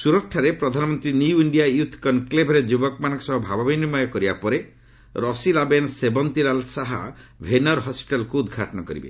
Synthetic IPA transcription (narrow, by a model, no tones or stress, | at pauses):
suɾɔkʰaɾepɾɔd̪ʱanɔmɔnt̪ɾinujuiɳɖijajut̪ʰkɔnklebʱɾed͡ʒubɔk̚manɔŋkɔ̥sɔɦɔbʱababɔjniɾmɔjɔkɔɾibapɔɾe | ɾɔsilabensebɔnt̪iɾalsaɦabʱenɔɾɦɔspiʈalɔkuːd̪ɡʱaʈɔnɔkɔɾḭbḛ